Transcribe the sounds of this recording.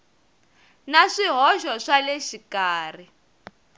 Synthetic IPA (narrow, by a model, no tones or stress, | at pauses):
naʂiɦɔʃɔʂaleʃikaːr̤i